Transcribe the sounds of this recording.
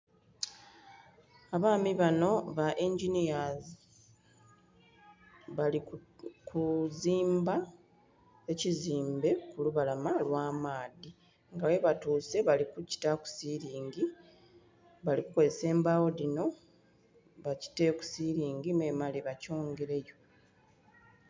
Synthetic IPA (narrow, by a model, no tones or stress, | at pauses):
aβaːmiβano̞βaʔeɲɟinijazi | βalikʰuziːmba | eciziːmbe̞kuluβalamalwaːmaːdi | ŋɡawe̞βatuːse̞βalikuci̥taku̥siɾiːŋɡi | βaliku̥ko̞zese̞ːmbawo̞dino̞ | βaci̥teku̥siɾiːŋɡimemaliβaco̞ːŋɡe̞ɾe̞jo̞